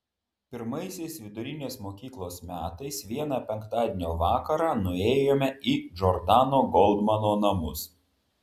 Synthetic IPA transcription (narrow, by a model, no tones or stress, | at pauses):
pʲɪɾmɐɪsʲɛɪsʋʲɪd̪ʊɾʲɪnʲeːsmoːkʲiːklˠoːsmʲæːt̪ɐɪsʋʲiɛnɑːpʲɛŋˑkt̪ɑːd̪ʲeːnʲoːʋɑːkɐɾɑːnʊeːjoːmʲɛiːd͡ʒɔɾd̪ɑːnoːɡɔlˠd̪mɐnoːnɐmʊs